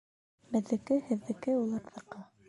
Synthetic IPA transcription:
bɘ̆ðːɘ̆kɘhɘ̆ðːɘ̆kɘulˠɑɾðɤ̆qɤ

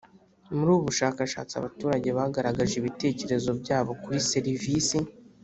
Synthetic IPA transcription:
muɾuːβuʃaːkaʃa̰ːt͡sia̰βatuːɾaɟe̞βaɡaɾaɡaʒiβite̞ːce̞ɾe̞zo̞bɟaːβo̞kuɾise̞ɾivisi

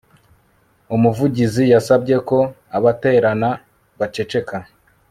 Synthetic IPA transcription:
umuvuɟizijasab̚ɟe̞ko̞ | aβate̞ːɾana | βat͡ʃe̞t͡ʃe̞ka

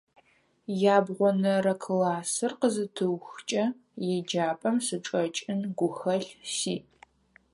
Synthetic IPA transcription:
jaːbʁʷɔnɐrɐkʰɨlaːsɨrqəzɨtʰɨwxt͡ʃʼɐ | jɛd͡ʒaːpʼɐmsɨʈ͡ʂʼɐt͡ʃʼɪnɡʷʊxɐɬsiː

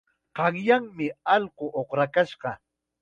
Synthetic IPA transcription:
qɑŋjaŋmɪɑlqoʔoχɾakaʃɢɑ

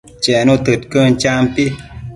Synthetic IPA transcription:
t͡ʃɛnot̪ət̚kənt͡ʃampi

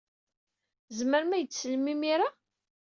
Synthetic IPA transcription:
zməɾmæjət͡sːəlmimiɾa

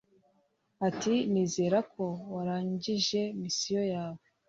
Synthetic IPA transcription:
atiniːze̞ːɾakʰo̞waɾaːɲɟiʒe̞misijo̞jaːwe

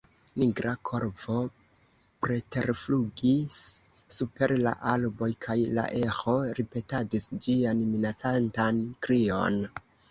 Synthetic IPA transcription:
niɡɾakʰo̞ɾvo̞ | pɾe̞te̞ɾfluɡisː | upe̞ɾla̰ʔalbo̞jkʰajla̰ʔexo̞ɾipe̞tadisd͡ʒianminat͡santankɾio̞̰n

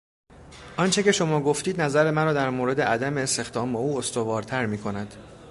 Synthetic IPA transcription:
ʔɒnt͡ʃʰe̞ce̞ʃo̞mɒːɡo̞ft̪iːd̪næzæɾe̞mæɾɒːd̪æɾmoːɾe̞d̪eʔæd̪æme̞ːst̪e̞xd̪ɒːmeuːost̪o̞vɒːɾt̪ʰæɾmiːkʰo̞næd̪̥

